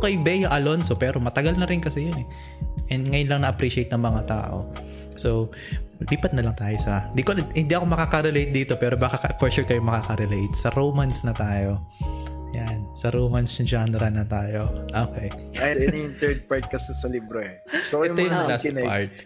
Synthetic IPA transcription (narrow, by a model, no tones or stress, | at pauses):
kɐjbɛjoʔɐlonsopɛːɾomɐt̪ɐɡɐlnɐɾɪnkɐsɛjonɛ | ʔɛnd̪ŋɐjʊnlɐŋnɐʔɐpɾiːʃɪejt̪nɐŋmɐŋat̪a̰ːʔo̰ | so | liːpɐt̪̚nɐlɐŋt̪aːjosɐɪnd̪ikolhɪnd̪iɐko̞mɐkaːkɐɾɛlejt̪̚d̪iːt̪o̞pɛːɾobakɐkɐfoɹʃuːɹkɐjomɐkaːkɐɾɛlejt̪̚sɐɾowmansnɐt̪aːjo̞ | jansɐɾoːmansnɐd͡ʒaːnɛɾɐnɐt̪aːjo̞ʔoːkejajɛnjʊnt̪ɛɹd̪̚paɹt̪̚kɐsɛsɐlibɾoɛ | soɛjʊojŋɐlaːspa̰ɹt̪̚